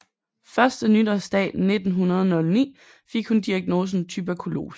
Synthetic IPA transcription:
fɶɐsd̥ənydɒsd̥ɛ̰ːne̝d̥n̩ɦunɐð̞ˠɒnɔ̽lnḭː | feɡ̥hund̥iæɐɡ̥no̝ːs̬n̩t͡sʰyb̥ækʰulo̝̰ːs

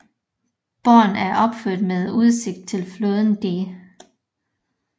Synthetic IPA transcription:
b̥ɒːnæɐʔɒ̽b̥føɐ̰d̥með̞ˠuð̞ˠse̝ɡ̥̚d̥̚t͡sʰe̝lfloːðˠn̩d̥e̝

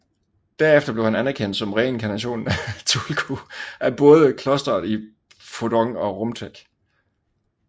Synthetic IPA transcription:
d̥æɐefd̥ɐb̥le̝ʊhænænæɐkʰen̰d̥sɒ̽mʁɛenkʰænæɕo̝̰ːnn̩æt͡sʰulkʰuʔæb̥ɔ̽ːð̞ˠəkʰlɒ̽sd̥ɐðˠi | fodɒŋɒ̽ʁɔmt͡sʰeɡ̥

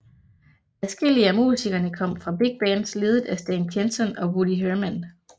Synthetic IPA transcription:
æsɡ̥e̝l̰iəæmusiɡ̥ɐnəkʰɒ̽m̰fʁɑ̈b̥eɡ̥̚b̥ænsle̝ːð̞̩ˠæsd̥ɛːnkʰensɒnɒ̽buliɦøɐmæn

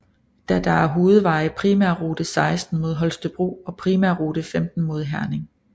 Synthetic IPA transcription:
d̥æd̥ɑ̈æɐɦo̝ːð̞̩ˠʋɑ̈ɪpʰʁiːmæɐ̰ʁoːd̥əsɑ̈ɪsd̥n̩mo̝ðˠɦɒ̽lsd̥əb̥ʁo̝̰ːɒ̽pʰʁiːmæɐ̰ʁoːd̥əfemd̥n̩mo̝ð̞ˠɦæɐne̝ŋ

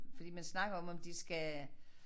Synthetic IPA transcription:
fɒd̥ḭːmænsnɑ̈ɡ̥ɐɒ̽mɒ̽md̥isɡ̥æ

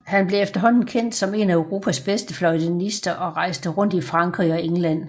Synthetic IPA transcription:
hænb̥le̝efd̥ɐɦɒ̽n̰n̩kʰen̰d̥sɒ̽me̝næʊʁo̝ːpʰæsb̥esd̥əflɒ̽ɪdenisd̥ɐʔɒ̽ʁɑ̈ɪ̰sd̥əʁɔ̽n̰d̥ifʁɑ̈ŋkʰʁiɒ̽eŋlæn̰

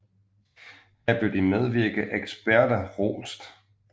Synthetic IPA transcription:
hæb̥ød̥imeð̞ˠʋiɐɡ̥əʔeɡ̥sb̥æɐd̥ɐʁo̰ːlsd̥

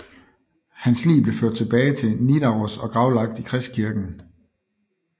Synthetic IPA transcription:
hænslḭːb̥le̝føɐd̥̚t͡sʰe̝b̥ɛːɪt͡sʰe̝nid̥ɑʁosɒ̽ɡ̥ʁɑ̈ʊlɑ̈ɡ̥̚d̥ikʰʁɛsd̥kʰiɐɡ̥n̩

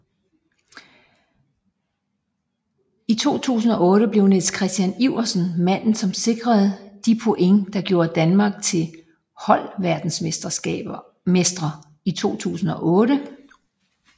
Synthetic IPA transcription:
it͡sʰo̝̰ːt͡sʰṵːs̬n̩ɒ̽ɔ̽ːɾəb̥le̝ʊne̝̥skʰʁɛsd̥jæniʊ̰ɐsnmæn̰n̩sɒ̽mse̝ɡ̥ʁɐð̞̩ˠd̥ipʰo̝ʔeŋd̥ɑ̈ɡ̥jo̝ːɐd̥ænmɑ̈ːɡ̥̚t͡sʰe̝l | hɒ̽l̰ʋæɐd̥n̩smesd̥ɐ̥ɛ̥ | sd̥ʁɐ | it͡sʰo̝̰ːt͡sʰṵːsn̩ɒ̽ʔɔ̽ːɾə

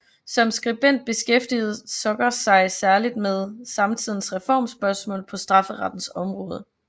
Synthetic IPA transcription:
sɒ̽msɡ̥ʁib̥en̰d̥̚b̥e̝sɡ̥efd̥ið̩ˠsɒ̽ɡ̥ɐsɑ̈ɪsæɐlid̥meðˠsɑ̈mt͡sʰið̰ˠn̩sʁɛfɒ̰ːmsb̥ɶɐsmɔ̰ːlpʰɒ̽sd̥ʁɑ̈fəʁɑd̥n̩sɒ̽mʁɔ̽ːð̞ˠ

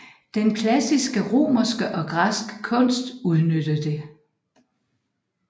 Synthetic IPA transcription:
d̥enkʰlæsisɡ̥əʁo̝̰ːmɐsɡ̥əʔɒ̽ɡ̥ʁasɡ̥kʰɔ̽n̰sd̥uð̞ˠnød̥əd̥e̝

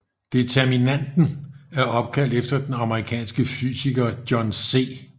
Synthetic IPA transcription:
d̥e̝t͡sʰeɐminæn̰d̥n̩æɐʔɒ̽b̥̚kʰæl̰d̥efd̥ɐd̥enɑ̈məʁikʰɛ̰ːnsɡ̥əfy̰ːsiɡ̥ɐd̥jɒnse̝̰ː

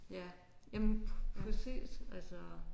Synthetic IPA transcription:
jæ | jæmnfʰɒsḛːd̥ælsɒ

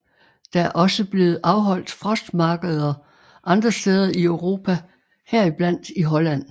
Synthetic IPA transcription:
d̥æ̈æɐʔɒ̽səb̥le̝ːð̞̩ˠʔɑ̈ʊɦɒ̽l̰d̥fʁɒ̽sd̥mɑ̈ːɡ̥əð̞̩ˠɐ | ʔɑ̈nd̥ʁɐsd̥eːð̞ˠɐiøʊʁo̝ːpʰæ | hɛɐ̰ib̥læn̰d̥iɦɒ̽læn̰

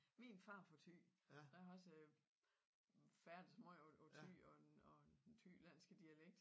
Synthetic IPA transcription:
minfɑ̈ːfɒ̽t͡sʰy̰ːd̥ɑɒ̽sə | fæɐd̥əsmɔot͡sʰy̰ɒ̥̽eɒd̥ent͡sʰy̰ːlæn̰sɡ̥əd̥iæleɡ̥̚d̥

